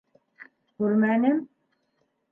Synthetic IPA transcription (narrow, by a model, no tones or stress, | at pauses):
kʉɾmænɘm